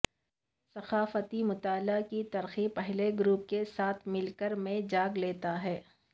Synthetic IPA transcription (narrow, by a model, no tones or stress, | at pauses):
sɐxaːfət̪imʊt̪aːlakit̪ɐɾxipɛɦleɡɾuːp̚kesaːt̪ʰmɪlkəɾmẽd͡ʒaːɡleːt̪aɦɛː